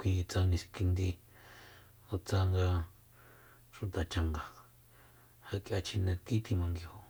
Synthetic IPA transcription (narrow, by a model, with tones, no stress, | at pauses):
kʷi˧t͡sa˧nĩ˧si̥˧ki˧nd̪i˧ | o˧t͡sa˧ŋɡa˧ | ʃu˧t̪a˨t͡ʃa˧ŋɡa˨ | ha˧kʼjʔa˧t͡ʃi˧nẽ˧ki˦t̪ʰi˧mã˧ŋɡi˧ho˧˨